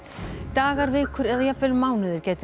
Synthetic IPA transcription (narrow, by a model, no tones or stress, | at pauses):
t̪aːɣaɾvɪːkʰʏɾɛðajapvɛlmaːwnɪðɪɾ̥cɛːt̪